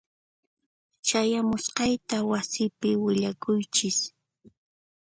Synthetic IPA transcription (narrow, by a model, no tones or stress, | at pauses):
t͡ʃajamʊsqɑjt̪awasɪpɪwɪʎakʊjt͡ʃɪs